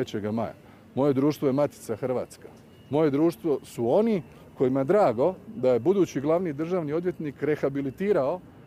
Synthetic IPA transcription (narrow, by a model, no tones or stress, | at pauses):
et͡ɕeɡama̰ja̰ | mo̞je̞d̪ɾuːʃt̪ʋo̞je̞mat̪i̥t̪saxr̩ʋa̰ːt̪skḁ | mo̞je̞d̪ɾuːʃt̪ʋo̞suo̞ni | ko̞jimaed̪ɾaːɡo̞d̪aje̞bud̪uːt͡ɕiɡlˠaʋnid̪r̩ʒaːʋniod̪ʋjet̪nikɾe̞xabilit̪iːɾao̞